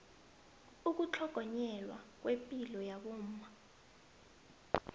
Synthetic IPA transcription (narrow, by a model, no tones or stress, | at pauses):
uk̬ut͡ɬʰɔɡ̥ʱɔɲɛlwa̰k̬wʔepʼilɔjaɓuːm̩ma